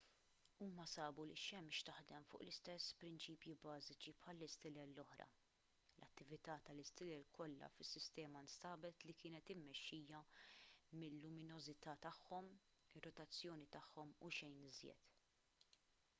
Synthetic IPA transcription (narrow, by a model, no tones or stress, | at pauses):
uːmɐsɐːbuliʃɛmʃt̪ɐħd̪ɛmfʊ̰ːʔlɪst̪ɛsːpɾɪnt͡ʃiːpjibɐːzɪt͡ʃipħɐlːɪst̪ɪlɛlːɔħɾɐ̰ | lʔɐ̰t̪ːɪvɪt̪ɐːt̪ɐlɪst̪ɪlɛlkɔlːɐ̰fɪsːɪst̪ɛːmɐnst̪ɐːbɛt̪likɪːnɛt̪ɪmːɛʃːiːjɐ | mɪlːʊmɪnɔzɪt̪ɐːt̪ɐħːɔm | ɪrːɔt̪ɐt͡sːjɔːnit̪ɐħːɔmuʃɛjnɪzjɛ̰t̪